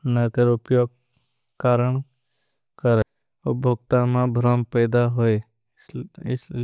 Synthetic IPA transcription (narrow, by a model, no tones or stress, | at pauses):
nət̪eɾʊpjoːɡ̚ | kaːɾəɳ | kəɾ | obʱoɡt̪ãmãbʱɾəmpɛːd̪aɦoe